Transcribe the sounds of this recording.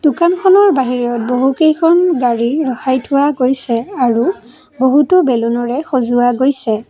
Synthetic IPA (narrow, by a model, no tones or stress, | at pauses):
d̥ukankʰɔnɔɹbaɦiɹjɔt̚boɦukejkʰɔnɡaɹiɹɔxajtʰʊwaɡojsɛaɹu | boɦutɔbɛlɔnɔɹɛxozʊwaɡojsɛ